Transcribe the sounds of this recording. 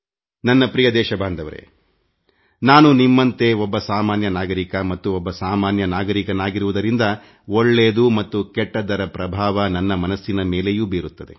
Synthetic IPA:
nɐnːɐpɾijɐd̪ɛːʃɐbʱaːnd̪ʱɐʋɐɾḛ | naːnunimːɐnt̪e̞ɔbːɐsaːmaːnjɐnaːɡɐɾikɐmɐt̪ːuɔbːɐsaːmaːnjɐnaːɡɐɾikɐnaːɡiɾuʋud̪ɐɾind̪ɐ | oɭːeːd̪umɐt̪ːukɛʈːɐd̪ɐɾɐpɾɐbʱaːʋɐnɐnːɐmɐnɐsːinɐmeːle̞juːbeːɾut̪ːɐd̪e̞̰

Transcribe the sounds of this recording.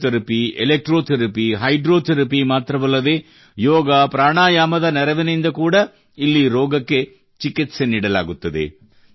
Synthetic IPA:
t̪ɐɾɐpielek̚ʈɾoːt̪ʰɐɾɐpiɦɐjɖɾoːt̪ʰɐɾɐpimaːt̪ɾɐʋɐlːɐd̪eː | jɔːɡapɾaːɳaːjaːmɐd̪ɐnɛɾɐʋinɐjind̪ɐkuːɽɐ | ilːiɾɔːɡɐkːe | t͡ʃikit̪senːiːɽɐla̰ːɡut̪ːɐd̪ḛ

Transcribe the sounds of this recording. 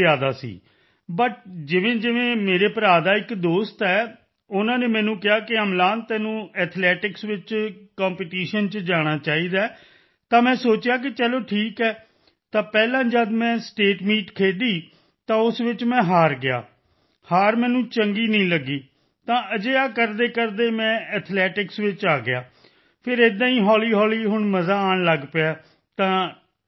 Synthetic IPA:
aːd̪aːsḭː | bəʈd͡ʒɪʋẽːd͡ʒɪʋẽːmeːɾeːpəɾaːd̪aːɪkd̪oːst̪ɛː | ʊnãːneːmɛ̃ːnũːkɪaːkɪəmlaːnt̪ɛːnũːɛːt̪ʰlɛːʈɪksʋɪt͡ʃkãːmpeːʈiːʃənt͡ʃd͡ʒaːɽ̃aːt͡ʃaːiːd̪aː | t̪ãːmɛ̃ːsoːt͡ʃɪjaːk̬ɪt͡ʃɛloːʈʰiːkɛː | t̪ãːpɛːlãːd͡ʒəd̪mɛ̃ːsʈeːʈmiːʈkʰeːɖiː | t̪ãːʊsʋɪt͡ʃmɛ̃ːɦaːɾɡɪa̰ː | haːɾmɛ̃ːnũːt͡ʃəŋɡiːnəĩːləɡiː | t̪ãːəd͡ʒeːaːkəɾd̪eːkəɾd̪eːmɛ̃ːɛt̪ʰlɛːʈɪksʋɪt͡ʃaːɡɪjaː | pʰɪɾed̪ãːĩːɦɔːliːɦɔːliːɦʊɳməzaːaːnləɡpaː | t̪ãː

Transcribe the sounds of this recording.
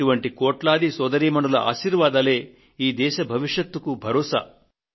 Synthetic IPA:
uʋɐɳʈikoːʈlaːd̪isɔːd̪ɐɾiːmɐɳɖɐlɐʔa̰ːʃiːɾʋaːd̪ɐleː | iːd̪ɛːʃɐbʱɐʋiʂjɐt̪ːɐkubʱɐɾɔːsɐ̰

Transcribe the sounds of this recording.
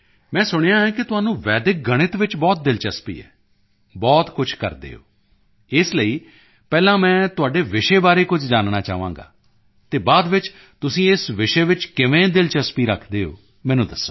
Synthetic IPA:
mɛ̃ːsʊɽ̃jãːɦɛ̃ːkɪt̪ʊɦaːnũːʋɛːd̪ɪk̚ɡəɽ̃ɪt̪ʋɪt͡ʃbɔːt̪̚d̪ɪlt͡ʃəspḭːɛ̰ː | bɔːt̪kʊt͡ʃʰkə̰ɾd̪ḛːɦo̰ː | ɪsləiː | pɛːlãːmɛ̃ːt̪ʊaːɖeːʋɪʃeːbaːɾeːkʊd͡ʒd͡ʒaːnnaːt͡ʃa̰ːʋã̰ːɡa̰ː | t̪eːbaːd̪ʋɪt͡ʃ | t̪ʊsĩːɪsʋɪʃeːʋɪt͡ʃkɪʋẽːd̪ɪlt͡ʃəspiːɾəkʰd̪eːɦo̰ː | mɛ̃ːnũːd̪əsːoː

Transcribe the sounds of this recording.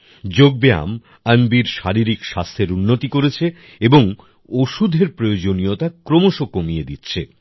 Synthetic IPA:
d͡ʑoɡ̚bea̰m | anbiɾʃaɾiɾikʃast̪ʰeɾunːot̪ikoɾet͡ɕʰe | eboŋ | oʃud̪ʱeɾpɾojod͡ʑonijot̪akɾomoʃokomijed̪itːɕʰe

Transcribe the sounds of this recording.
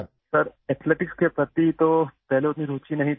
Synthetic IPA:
səɾɛt̪ʰleʈɪkskepɾət̪it̪ot̪ɛɦleot̪niɾoːt͡ʃinɐɦĩ

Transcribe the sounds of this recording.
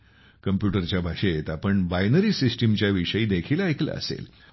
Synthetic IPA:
kəmpjuʈəɾt͡ɕjabʱaʂeet̪apəɳbajnəɾiːsisʈimt͡ɕjaʋiʂəjiːd̪ekʰilaekla̰ə̰sḛl

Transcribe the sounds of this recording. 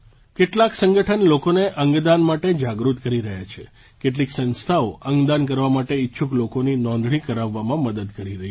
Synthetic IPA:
keʈlaksə̃ŋɡəʈʰənlokoneʔəŋɡd̪anmaʈed͡ʒaɡɾut̪kəɾiɾəɦat͡ʃʰḛ | keʈ̬liksə̃nst̪ʰaoʔəŋɡd̪ank̬əɾʋamaʈeɪtːʃʰuklokoninɔ̃nd̪ɽikəɾaʋːamãməd̪əd̪kəɾiɾəɦi

